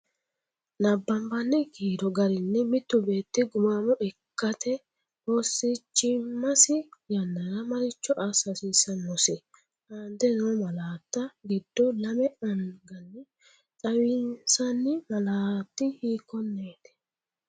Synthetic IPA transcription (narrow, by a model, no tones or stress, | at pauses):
nɐbːɐmbɐnːɪɡiːd̪ɔɡɐɾɪnːɛmɪt̪ːʊbe̞ːt̪ːɪɡʊmaːmɔʔɛkːɐt̪ʰɛ | osːɪt͡ʃːɪmːɐsɪjɐnːɐɾɐmɐɾɪt͡ʃːɔʔasɐsiːsɐnɔsɪ | aːnd̪ɛnoːmɐlaːt̪ːɐɡɪd̪ːɔlɐmɛɐŋɡɐnːɪ | t͡sʼɐwɪnsɐnːɪmɐlaːt̪ːɪhiːkːɔnːeːt̪ɛ̥